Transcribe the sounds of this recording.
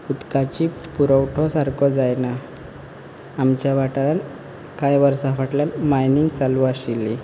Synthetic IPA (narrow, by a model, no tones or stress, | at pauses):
ud̪kat͡ɕipuɾəwʈʰɔsaɾkʰɔd͡zajna | mt͡ɕjaʋaʈaɾan | kajʋəɾsafaʈljanmajnint͡saluaɕilːi